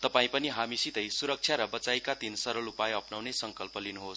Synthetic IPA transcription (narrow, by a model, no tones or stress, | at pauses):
t̪ʌpaĩpʌniɦamisit̪ʌjsuɾʌk̚t͡sʰjaɾʌbʌt͡sajkat̪insʌɾʌlupajʌpnawnesʌŋkʌlpʌlinuɦos